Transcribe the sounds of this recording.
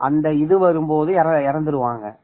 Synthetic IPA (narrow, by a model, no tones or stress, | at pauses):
ʔɐnd̪ɐɪðɯʋɐɾɯmpoːðɯɪɾɐɪɾɐnd̪ɯɾɯʋaːŋɡɐ̰